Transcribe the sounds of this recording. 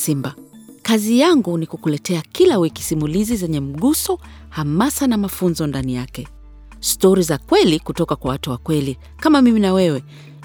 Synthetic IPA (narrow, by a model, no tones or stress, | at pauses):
simbakazijaŋɡunikukulɛtɛakilawiki̥simulizizɛɲɛm̩ɠusɔ | hamasanamafunzɔndanijakɛ | stɔɾizakwɛlikutɔkakwawatuwakwɛli | kamamiminawɛwɛ